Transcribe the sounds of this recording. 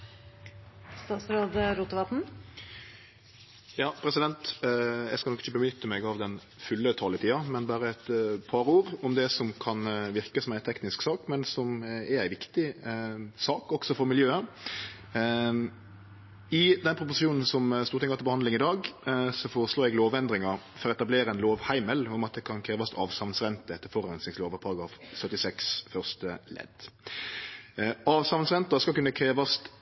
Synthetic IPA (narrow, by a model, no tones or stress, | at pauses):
st̪ɑːt̪sɾɑːd̪əɾuːt̪əʋɑt̪n̩ | jɑːpʰɾɛsɪd̪ɛnt̪jɛskɑlɔkːɪçəbəmʏt̪ːəmɛɡɑʋd̪ɛn | fʉlːət̪ʰɑːlɪt̪ʰiːɑmɛnbæːɾəɛt̪pʰɑɾuːɾɔmd̪ɛsɔmkʰɑnʋɪɾkəsɔmæɪt̪ʰɛknɪsksɑːkmɛnsɔmɛɾæɪʋɪkt̪ɪ | sɑːkɔksɔfɔɾmɪljøːə | ɪd̪ɛnpʰɾʊp̬ʊsɪuːnn̩sɔmst̪uːɾt̪ʰɪŋɑt̪lbəhɑnd̪ɪŋɪd̪ɑːɡsɔfoːɾəsloːɾɛɡloːʋɛnd̪ɾɪŋɑɾ | fɔɾɔɛt̪ɑbleːɾəɛnloːʋhæɪməlʊmɑt̪̚d̪ɛkʰɑnkʰɾeːʋɑst̪ʰɑːʋsɑʋnsɾɛnt̪əɛt̪ːəɾfɔɾɛnsnɪŋsloːʋəpʰɑɾɑɡɾɑːfsœt̪ːɪsɛksfœʁst̪əlɛ̰d̪̥ | ɑːʋsɑʋnsʁɛnt̪əskɑlkʉnːəkʰɾeːʋɑst̪